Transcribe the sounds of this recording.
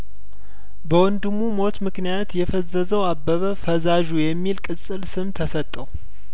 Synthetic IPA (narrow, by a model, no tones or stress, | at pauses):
bəwɔnd̪ɨmːumo̞t̪mɨknijat̪jɛfəzːəzəwabːəβəfəzaʒujɛmːilkʼɨsʼɨlsɨmt̪ʰəsət̪ʼːəw